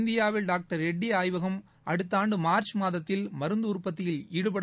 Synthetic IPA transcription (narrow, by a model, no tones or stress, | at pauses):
nd̪ɪjaːʋɪlɖaːk̚ʈɐɾɛɖːiaːjʋɐɣɐm | ʔɐɽɯt̪ːaːɳɖɯmaːɾt͡ʃmaːðɐt̪ːɪlmɐɾɯnd̪ɯʊɾpːɐt̪ːɪjɪliːɽɯpɐɽ